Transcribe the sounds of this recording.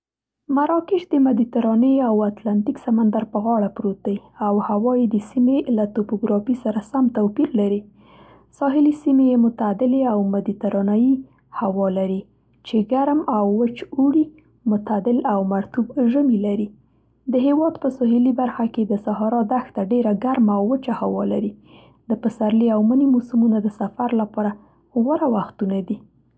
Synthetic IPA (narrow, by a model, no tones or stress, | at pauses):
maɾɑkɪʃd̪əmad̪it̪aɾɑnəjawat̪lant̪iksamand̪aɾpəɣɑɽapɾot̪əawhawɑjed̪əsimelat̪opoɡɾɑfisaɾasamt̪awpiɾlaɾi | sɑɦɪlisimejemʊt̪ad̪ɪleawmad̪it̪aɾɑnaji | hawɑlaɾi | t͡ʃeɡaɾmawːət͡ʃuɽi | mʊt̪ad̪ɪlawmaɾt̪ubʒəmilaɾi | d̪əɦewɑd̪pəsɑɦɪlibaɾxaked̪əsaɦɑɾɑd̪axt̪aɖeɾaɡaɾmaːwːət͡ʃahawɑlaɾi | d̪əpəsaɾliawmanimosumunad̪əsafaɾlapɑɾa | ɣwaɾawaxt̪unad̪i